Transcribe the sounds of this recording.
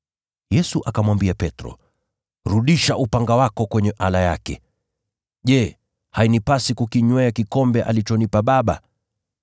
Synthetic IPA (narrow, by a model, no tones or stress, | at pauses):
jɛsuʔakamwambiapɛtɾɔ̰ | ɾuɗiʃaʔupaŋɡawakɔkwɛɲɛʔalaja̰kɛ | ʄɛ | hainipasikukiɲwɛakikɔmbɛʔa̰lit͡ʃɔnipaɓaɓa